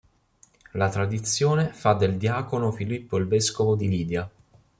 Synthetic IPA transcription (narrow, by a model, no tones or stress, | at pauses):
lat̪ɾad̪it̪sːjoːnefad̪ːeld̪jaːkonofilipːoilveskovod̪iliːd̪ja